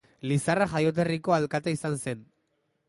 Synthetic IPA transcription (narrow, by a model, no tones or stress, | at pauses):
lisaraxajo̞t̪̬e̞riko̞alkat̪aisanse̞n